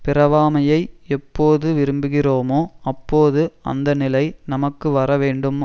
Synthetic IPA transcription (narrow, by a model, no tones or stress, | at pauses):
pɪɾɐʋaːmɐjɐɪɛpːoːðɯʋɪɾɯmbɯɣɪroːmoːɐpːoːðɯɐ̰nd̪ɐnɪlɐɪnɐmɐkːɯʋɐɾɐʋeːɳɖɯm